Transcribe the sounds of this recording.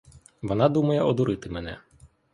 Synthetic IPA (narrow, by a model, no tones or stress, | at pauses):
ʋɔnɑd̪umɐjɛʔɔd̪uɾɪt̪ɪmɛnɛ